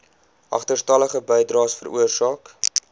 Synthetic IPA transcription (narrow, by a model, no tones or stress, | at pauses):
ʔɐ̰χtərstɐləχəbəjdrɑːsfəɾuərsɑːk